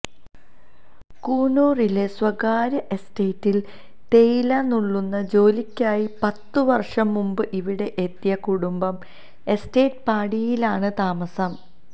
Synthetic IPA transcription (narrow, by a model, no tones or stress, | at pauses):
kuːnuːrileswɐɡaːɾɐʔe̞steːtːil | t̪e̞jilɐnuɭːunːɐd͡ʑo̞ːlikʲːaːjipɐt̪ːɨʋɐrʂɐmːumbɨʔiʋiɽe̞ʔet̪ːjɐkuɽumbɐm | e̞ste̞ːt̚paːɽijilaːɳɨt̪aːmɐsɐm